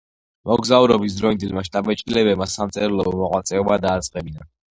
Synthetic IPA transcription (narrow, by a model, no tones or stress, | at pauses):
mɔɡzauɾɔbis̬d̪ɾɔind̪ilmaʃt̪ʼabɛt͡ʃʼkʼilɛbɛbmasamt̪sʼɛɾlˠɔmɔqʼwat̪sʼɛɔbad̪aːt̪sʼqʼɛbina̰